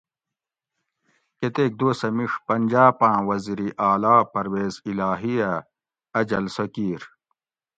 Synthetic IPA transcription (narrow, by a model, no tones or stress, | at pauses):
ket̪eːk̚d̪oːsɐmiʂpɐnʲd͡ʑaːpãːwɐziɾiʔaːlaːpɐɾweːzilaːɦijɐ | ɐd͡ʑɐlsɐkiːɾ